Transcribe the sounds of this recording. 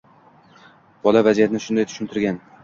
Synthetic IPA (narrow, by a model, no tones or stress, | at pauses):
b̥ɒlavazijat̪ɪnɪʃʊnd̪ajt̪ʰʊ̥ʃɪnt̪ʰɪɾɡʲan